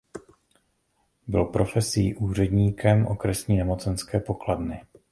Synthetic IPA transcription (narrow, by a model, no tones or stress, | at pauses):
bɪlpɾo̞fɛsiːʔuːr̝ɛdɲiːkʰɛmʔo̞̰kɾɛsɲiːnɛmo̞t͡sɛnskɛːpo̞kladnɪ